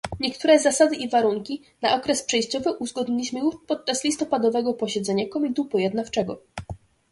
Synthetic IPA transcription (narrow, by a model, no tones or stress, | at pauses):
ɲɛkt̪uɾɛzasad̪ɘʔivaɾuŋkʲi | naʔɔkɾɛspʂɛjɕt͡ɕɔvɘʔuzɡɔd̪ɲilʲiɕmɘjuʂpɔt̪̚t͡ʂaslʲist̪ɔpad̪ɔvɛɡɔpɔɕɛd̪zɛɲakɔmʲid̪upɔjɛd̪naft͡ʂɛɡɔ